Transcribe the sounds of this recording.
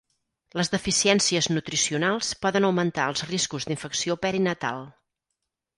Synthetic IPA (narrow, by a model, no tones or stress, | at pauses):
ləzðəfisiɛnsiəznut̪ɾisiunalˠspɔðənəwmənt̪aəlˠzriskuzðiɱfəksiopɛɾinət̪a̰lˠ